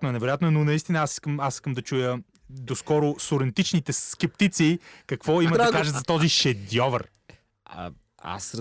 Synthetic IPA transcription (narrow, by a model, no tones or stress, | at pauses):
t̪noɛnɛvɛɾʊjat̪nɛnonɐist̪inəasi̥skəmasi̥skəmd̪ɐt͡ʃujə | d̪oskɔɾʊsoɾɛnt̪it͡ʃnit̪ɛskɛpt̪it̪sikɐkvɔiməd̪akaʒəzɐt̪ɔziʃɛd̪jɔvə̰r̰ | a̰s